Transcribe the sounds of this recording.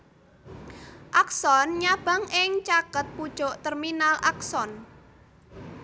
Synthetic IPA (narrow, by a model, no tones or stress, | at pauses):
ʔaksɔnɲab̥a̤ŋɪŋt͡ʃakət̪̚pud̥ʒ̥ɔ̤ʔt̪ɛrminalʔaksɔn